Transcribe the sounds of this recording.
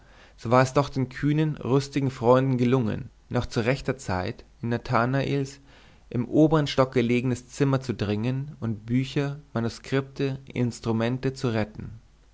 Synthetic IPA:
z̥oːvaːɐɛsd̥ɔχd̥eːnkʰyːnənʁʊstɪɡŋ̩fʁ̥ɔʏndn̩ɡəlʊŋə̰nː | ɔχt͡suʁɛçtɐt͡sa̰ɪtɪnːatʰanaʔiːls | ʔɪmʔoːbəʁənʃtɔk̚ɡ̥əleːɡəŋnəst͡sɪmɐt͡sudʁɪŋənʊntb̥yːçɐmanuskʁ̥ɪp̚tʰəʔɪ̰nstʁ̥umɛntət͡suʁɛtn̩

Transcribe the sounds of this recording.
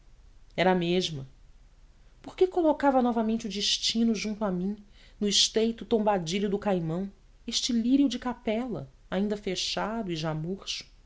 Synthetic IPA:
ɛɾɐːmeʒmɐ | poχkekolokavɐnɔvɐmẽnt͡ʃʊd͡ʒɪʃt͡ʃĩnʊʒũnt̪ʊamĩnʊɪʃt̪ejt̪ʊt̪õmbad͡ʒiʎʊd̪ʊkajmɐ̃w̃ | eʃt͡ʃɪliɾiud͡ʒɪkapɛlɐ̰ | aĩnd̪ɐfeʃad̪ʊiʒamuɾʃʊ̥

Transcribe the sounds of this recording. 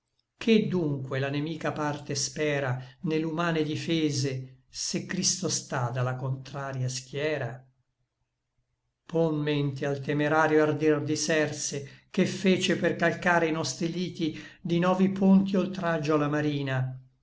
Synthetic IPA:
kʰed̪ːuŋkwelanemiːkapart̪espɛːɾanelumaːned̪ifeːzesekːɾist̪ost̪ad̪alakont̪ɾaːɾjask̟jɛːɾa | ponment̪ealt̪emeɾaːɾjoard̪ird̪isɛrsekefːeːt͡ʃeperkalkaːɾeinɔst̪ɾiliːt̪id̪inɔːvipʰont̪iolt̪ɾad͡ʒːoalamaɾiːna

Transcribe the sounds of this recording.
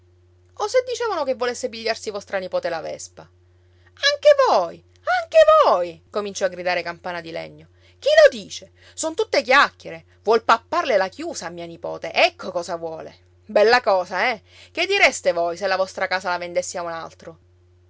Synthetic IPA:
osed̪ːit͡ʃɛːvanokevːolesːebiʎːarsivɔst̪ɾanipɔːt̪elavɛ̰spa | aŋkevoj | aŋkevojkomint͡ʃɔaɡɾid̪aːɾekampaːnad̪ilɛ̰ɲːo | k̟ilod̪iːt͡ʃe | sont̪ut̪ːek̬jakːeɾe | vwɔlpapːarlelakjuːsaːmːiːanipɔ̰ːt̪eʔɛkʰːokɔːsavwɔːlḛ | bɛlːakɔːzaɛ | k̟ed̪ːiɾest̪evojselːavɔst̪ɾakaːsalavend̪esːeauna̰lt̪ɾo

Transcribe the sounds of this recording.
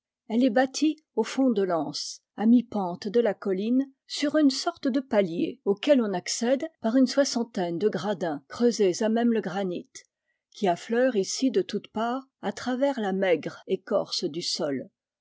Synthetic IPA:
ɛlɛbat̪ʰi | ofɔ̃d̪əlɑ̃s | amipɑ̃t̪d̪əlakɔlin | syʁynsɔʁt̪d̪əpaljḛokʲɛlɔ̃naksɛd̪paʁynswasɑ̃t̪ɛnd̪əɡʁad̪ɛ̃kχøzezamɛmləɡʁanit̪ | kʲiaflœʁisid̪ət̪ut̪paːʁ | at̪χavɛʁlamɛɡʁekɔ̰ʁsd̪ysɔl

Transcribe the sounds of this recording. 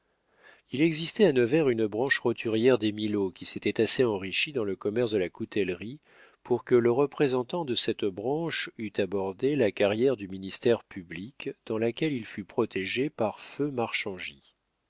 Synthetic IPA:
ilɛɡzist̪ɛanəvɛʁynbʁɑ̃ʃʁɔt̪ʰyʁjɛʁd̪emilokʲiset̪ɛt̪aseɑ̃ʁiʃid̪ɑ̃ləkɔmɛʁsd̪əlakut̪ʰɛlʁi | pʰuʁkələʁəpχezɑ̃t̪ɑ̃d̪əsɛt̪bʁɑ̃ʃyt̪abɔʁd̪elakaʁjɛʁd̪yminist̪ɛʁpʰyblikd̪̥ɑ̃lakʲɛlilfypχɔt̪ʰeʒepaʁfømaʁʃɑ̃ʒi

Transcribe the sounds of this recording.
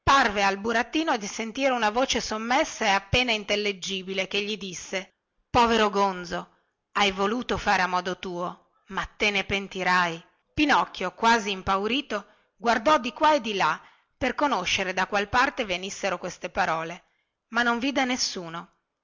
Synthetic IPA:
parvealbuɾat̪ːiːnod̪isent̪iːɾeunavoːt͡ʃesomːesːaeapːeːnaint̪elːed͡ʒːiːbilek̟eʎːid̪isːe | pɔːveɾoɡond̪zo | ajvoluːt̪ofaːɾeamːɔːd̪ot̪uːo | mat̪ːenepent̪iɾaj | pinɔkːjokwaːziːmpawɾiːt̪o | ɡward̪ɔd̪ikwaed̪ːila | perkonoʃːeɾed̪akwalpart̪evenisːeɾokwest̪epaɾɔːle | manːoɱviːd̪enesːuːno

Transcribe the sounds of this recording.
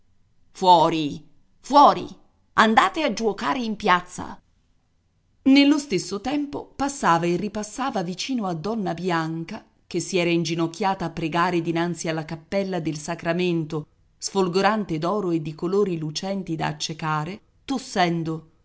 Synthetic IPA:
fwɔːɾi | fwɔːɾḭ | and̪aːt̪ead͡ʒuokaːɾeimpjat̪sːa̰ | nelːost̪esːot̪ɛmpopasːaːvaerːipasːaːvavit͡ʃiːnoad̪ːɔnːabjaŋka | k̟esːiɛːɾaind͡ʒinok̟ʲːjaːt̪aːpːɾeɡaːɾed̪inant̪sialːakapːɛlːad̪elsakɾament̪o | sfolɡoɾant̪ed̪ɔːɾoed̪ːikoloːɾilut͡ʃɛnt̪id̪a̰ːt͡ʃːekaːɾe | t̪osːɛnd̪o

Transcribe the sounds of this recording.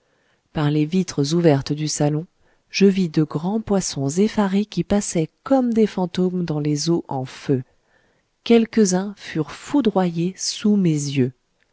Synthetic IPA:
paʁlevit̪χəzuvɛʁt̪d̪ysalɔ̃ | ʒ̥əvid̪əɡʁɑ̃pwasɔ̃zefaʁekʲipasɛkɔmd̪efɑ̃t̪omd̪ɑ̃lezoʔɑ̃fø | kʲɛlkəzɛ̃fyʁfud̪ʁwajesumezjø

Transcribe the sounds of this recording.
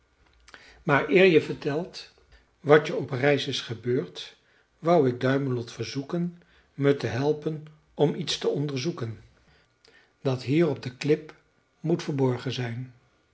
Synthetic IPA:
maːɹɪːɹjəvəɹtɛlˠt | ʋɑtəɔprɛjsɪsχəbøːɹt | ʋʌwɪɡ̚dœɥmənlɔtfəɹzukən | mətəɦɛlˠpən | ɔmitstəɔndəɹzukən | dɑtɦiːrɔb̚dəklɪp | mutfəɹbɔɹχənzɛjn

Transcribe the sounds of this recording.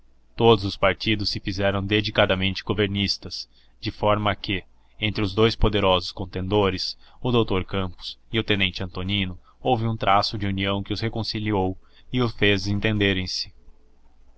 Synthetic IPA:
t̪od̪ʊzʊspaɾt͡ʃid̪ʊsːɪfizɛɾɐ̃w̃d̪ed͡ʒikad̪ɐmẽnt͡ʃɪ̥ɡoveɾnist̪ɐs | d͡ʒɪfɔɾmɐkɪ | ẽnt̪ɾɪʊzd̪ojspod̪eɾɔzʊskõnt̪ẽnd̪oɾɪsʊd̪owt̪oɾkɐ̃mpʊ̥sɪʊt̪ẽnẽnt͡ʃɪɐ̃nt̪onĩnʊ | owvɪũt̪ɾʔasʊd͡ʒɪuniɐ̃w̃kɪʊshekõsiliow | ɪʊsfezẽnt̪ẽnd̪eɾẽj̃sɪ̥

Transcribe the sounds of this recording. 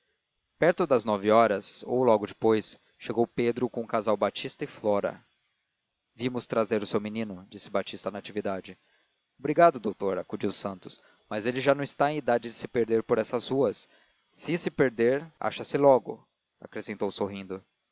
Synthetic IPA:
pɛɾt̪ʊd̪ɐznɔviɔɾɐzo̰wlɔɡʊd͡ʒɪpojs | ʃeɡowped̪ɾʊkõkazawbat͡ʃist̪ɐɪflɔɾɐ̰ | vimʊst̪ɾazeɾʊsewminĩnʊd͡ʒisɪbat͡ʃist̪ɐnɐat͡ʃivid̪ad͡ʒɪ | obɾiɡad̪ʊd̪owt̪oɾakud͡ʒiwʊsɐ̃nt̪ʊ̥s | mɐzelɪʒanɐ̃w̃ɪst̪aẽid̪ad͡ʒɪd͡ʒɪsɪpeɾd̪eɾpoɾɛsɐzhuɐsː | ɪsɪpeɾd̪eɾa̰ʃɐsɪlɔɡʊ̰ | a̰kɾesẽnt̪owsoɦĩnd̪ʊ

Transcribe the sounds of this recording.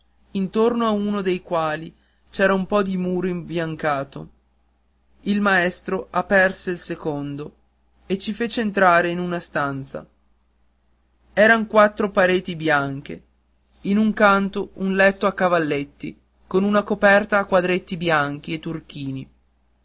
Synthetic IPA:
int̪ornoaunod̪ejkwaːli | t͡ʃɛːɾaumpɔd̪imuːɾoimbjaŋkaːt̪o | ilmaɛst̪ɾoʔapːɛrseilsekond̪o | et͡ʃːifeːt͡ʃeːnt̪ɾaːɾeinunast̪ant̪sa̰ | ɛːɾaŋkwat̪ːɾopaɾeːt̪ibjaŋk̟e | inuŋkant̪ounlɛt̪ːoakːavalːet̪ːḭ | konunakopɛrt̪aːkːwad̪ɾet̪ːibjaŋk̟iet̪ːurk̟iːni

